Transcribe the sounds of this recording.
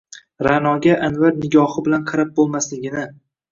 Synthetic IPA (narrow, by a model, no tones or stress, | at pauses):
ɾanɒɡʲaʔanvaɾnɪɡʲɒhɪbɪlanqʰɑɾap̚bolˠmaslɪɡʲɪnɪ